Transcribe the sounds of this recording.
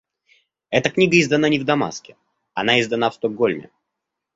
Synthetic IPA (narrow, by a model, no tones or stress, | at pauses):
ɛt̪əknʲiɡəɪzd̪ɐn̪anʲɪvd̪ɐma̰skʲɪ | ɐnaɪzd̪ɐnafst̪oɡolʲmʲɪ̰